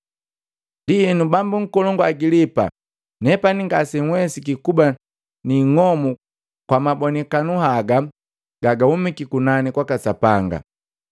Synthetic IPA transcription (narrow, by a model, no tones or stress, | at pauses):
ndiinubambuŋ̩kɔlɔŋɡɔaɡilipa̰ | nɛpaniŋɡasɛŋwɛsikikuba | niŋɔmu | kwamabɔnɛkanuhaɡa | ɡ̥aɡahumikikunanikwakasapaŋɡa̰